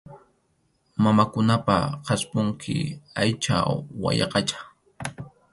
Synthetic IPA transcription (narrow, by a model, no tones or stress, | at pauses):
mamakʊnapa̰qɑspʊŋkʰɪ̰ajt͡ʃa̰wa̰jɑ̰qɑt͡ʃḁ